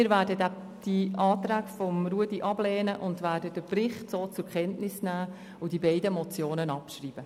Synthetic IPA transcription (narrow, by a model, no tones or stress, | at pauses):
ɪɾvæːɾdədæ | d̥iɑːtɾæːɡfɔmruədiʔɑblɛːnəʔʊndʋæːdədəprɪχtsoːt͡sʊɾkʰɛntnɪsnæː | ʊd̥ibɛɪdəmɔt͡sjoːnənɑpʃriːb̥ə